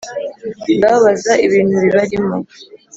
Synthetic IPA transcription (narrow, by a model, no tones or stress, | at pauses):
ndaβazaiβiːn̤̥huβiβaɾimo